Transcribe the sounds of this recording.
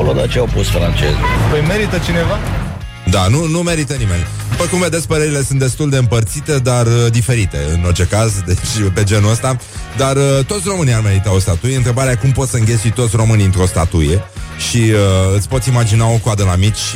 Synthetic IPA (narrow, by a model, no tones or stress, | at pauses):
olod̪a̰t͡ʃeawpusfɾant͡ʃḛzpəjme̞ɾit̪ət͡ʃine̞va | d̪anunume̞ɾit̪ənimej | pəkumve̞d̪e̞sʲpəɾe̞ɾile̞sɨnt̪d̪e̞st̪uld̪eɨmpərt̪sit̪e̞d̪arəd̪ife̞ɾit̪e̞ɨno̞rt͡ʃe̞kazd̪et͡ʃʲpe̞d͡ʒe̞nuəst̪a | d̪arət̪o̞t̪ʲro̞mɨniame̞ɾit̪aost̪at̪ujeɨnt̪ɾe̞baɾeakumpo̞t̪səɨŋɡʲe̞t̪sujt̪o̞t̪sʲro̞mɨniɨnt̪ɾo̞st̪a̰t̪uje̞ʃiəɨt̪sʲpo̞t̪simad͡ʒinao̞koad̪əlamit͡ʃʲ